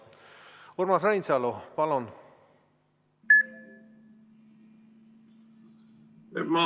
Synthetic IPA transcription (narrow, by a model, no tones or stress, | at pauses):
urmɑsrajnsɑlopɑlon | emɑ